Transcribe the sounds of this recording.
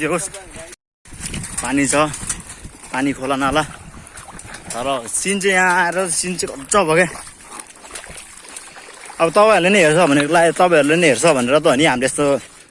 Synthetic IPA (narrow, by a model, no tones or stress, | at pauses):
eɦos | panit͡sʰʌ | panikʰolanala | t̪ʌɾʌsint͡sejãaeɾʌsint͡seɡʱʌd͡zʌbʱʌke | ʌbʌt̪ʌpãĩʌɾlenʌɦert͡sʰʌbʱʌnekolat̪ʌpaij̃ʌɾulenʌɦert͡sʰʌbʱʌneɾʌt̪̬ʌʌniɦamleest̪o